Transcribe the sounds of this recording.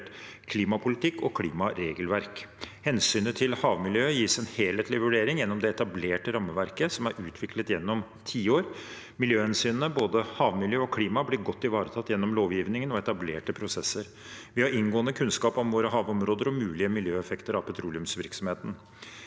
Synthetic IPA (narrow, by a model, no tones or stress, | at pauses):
ʈkʰliːmɑpʰʊlɪt̪ʰɪkːɔkʰliːmɑɾeːɡəlʋæɾkhɛnsyːnət̪ʰɪlhɑːʋmɪljøːjiːsɛnheːleːt̪lɪʋʉɖeːɾɪŋjɛnːɔmd̪ɛɛt̪ɑbleːʈəɾɑmːəʋæɾkəsɔmæɾʉːt̪ʰʋɪklət̪jɛnːɔm | t̪ʰiːəoːɾ | mɪljøːhɛnsyːnənəboːd̪əhɑːʋmɪljøːɔkʰliːmɑblɪɾɡɔt̪ːɪʋɑːɾət̪ʰɑt̪ːjɛnːɔmloːʋjiːʋnɪŋənɔɛt̪ɑbleːʈəpʰɾʊsɛsːəɾ | ʋɪhɑɾɪnɡoːənəkʰʉnskɑːpɔmʋoːɾəɦɑːʋɔmɾoːd̪əɾɔmʉːlɪəmɪljøːɛfɛkt̪əɾɑʋpʰɛt̪ʰɾuːlɪʉmsʋɪɾksɔmheːt̪ən̩